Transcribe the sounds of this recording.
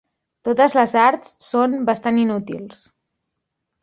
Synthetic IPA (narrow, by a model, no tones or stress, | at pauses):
t̪ot̪əzləzaɾt̪sːonbəst̪aninut̪ḭlˠs